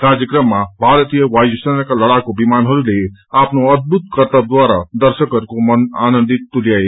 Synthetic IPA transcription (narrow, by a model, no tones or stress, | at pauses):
ɾaːd͡ʒəkɾəmːãbʱaːɾət̪ijəʋaːjusənakaləɽakobimaːnɦoɾuleaːpnoəd̪̚but̪̚kəɾt̪əb̚d̪waːɾad̪əɾʃəkəɾkoməna̰ːnə̃nd̪it̪ːuljaːe